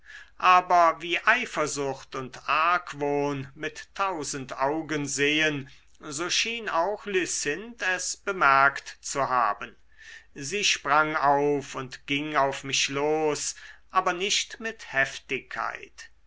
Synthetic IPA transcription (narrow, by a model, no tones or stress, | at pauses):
ʔaːbɐviːʔaɪfɐzʊxtʊntʔaɐkvoːnmɪtːʰaʊzəntaʊɡənzeːən | zoːʃiːnaʊxlysɪntɛsb̥əmɛɐktt͡suha̰ːbən | ziːʃpʁ̥aŋaʊfʊntɡ̥ɪŋaʊfmɪʃloːsʔaːbɐnɪʃtmɪthɛftɪkʰːa̰ɪt